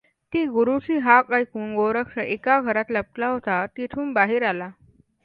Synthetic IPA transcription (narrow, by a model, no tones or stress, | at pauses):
t̪iːɡuɾut͡ɕiːɦakajkuːnɡoɾəkʂəʔekaɡʱəɾat̪ləp̚klaɦot̪at̪it̪ʰuːnbaɦiːɾala